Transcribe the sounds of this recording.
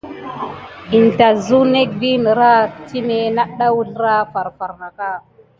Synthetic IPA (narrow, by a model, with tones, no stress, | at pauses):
i˨n˨ta˨zu˦ne˦k̚bi˦n˨ɾa˦ti˦me˨na˦ɗa˦wu˦ɮɾa˦fa˨ɾfa˨ɾna˨ka˦˨